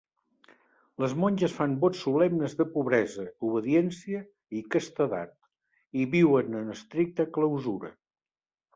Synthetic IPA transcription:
ləzmɔnʲʒəsfambɔt͡ssːuβlɛmnəzðəpuβɾɛzəuβəðiɛnsiə | ikəst̪əða̰t̪̚ | iβiwənənəst̪ɾik̚t̪əkləwzuɾə̰

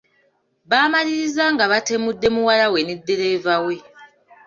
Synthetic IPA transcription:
βaːmaliɾizaŋɡaβate̞mudːe̞muwalawe̞nedːe̞ɾe̞ːvawe̞

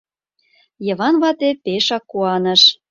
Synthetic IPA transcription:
jɤ̆βɑnβɑt̪epeʃɑkːuɑnə̆ʃ

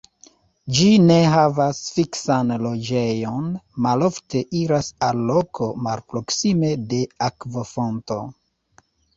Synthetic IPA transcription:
d͡ʒine̞ɦavasfiksanlo̞d͡ʒe̞jo̞nmalo̞fte̞ʔiɾasalːo̞kʰo̞malpɾo̞ksime̞de̞akvofonto̞̰

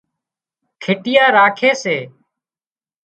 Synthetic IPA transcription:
kʰɪʈɪjaːɾaːkʰeːseː

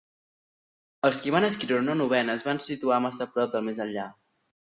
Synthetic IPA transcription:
əlˠskiβ̞anəskiɾiɾnonuβ̞ɛnəːzβansit̪uamasəpɾɔp̚d̪əlˠmezəʎʎa

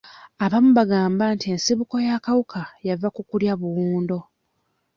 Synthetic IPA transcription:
aβamuβaɡaːmbantie̞nsiβuko̞jakawukʰajavakukuljaβuwuːndo̞

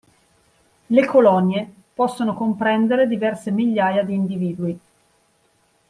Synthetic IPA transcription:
lekolɔnje | pɔsːonokompɾɛnd̪eɾed̪ivɛrsemiʎːaːjad̪iːnd̪iviːd̪ui

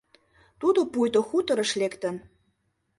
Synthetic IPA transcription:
t̪ud̪opujt̪oxut̪əɾəʃlekt̪ə̆n

